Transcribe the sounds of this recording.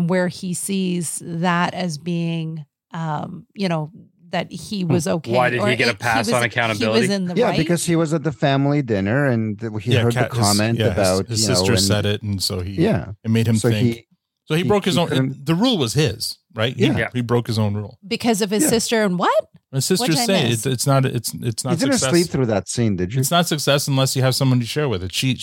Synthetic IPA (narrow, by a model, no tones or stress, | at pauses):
wə˞isizðəɾɨzbiɪ̃ŋ | ʔʌ̃mjɨñoʊ | ðɨt̚hiwʌzoʊkʰeaɪɾɨdə˞iɡɛɾɨpʰæswʌn̩ɨkʰãʊ̃ɾ̃ɨbɪlˠwʌɾizɨ̃nðɨjæɪbɨkʰʌz̥iwʌzɨt̪̚ðɨfæ̃mlˠidɪ̃nə˞ɨ̃nðiɜ˞d̚ðkʰɑmɛ̃ntɨbaʊt̚zjɨnosʊtə˞ɨ̃snsɛɾɪtn̩soʊijæ̰ɨnmeɪɾ̚ɨ̃msoʊɪ̃ŋi | soʊibɹoʊkhɨzõʊ̃nðɨɹulˠwʌz̥ɪz̥ | ɹaɪt̚hjijhibɹoʊkhɨzõʊ̃nɹulˠb̥ɨkʰʌzʌv̥ɨzsɪstə˞ɨ̃nwʌt̚ | ɨz̥sɪstə˞zseɪɪɨtsnəɾɪ̰tsɨ̰tsnəidsɪdɨdⁿn̩ssɛlip̚θɹʉðɨtsĩndɨd͡ʒɨtsnətsɨksɛsn̩lɛshiɨv̥sʌ̃mwʌ̃ntʰɨʃɛɹwɨðɨtʃi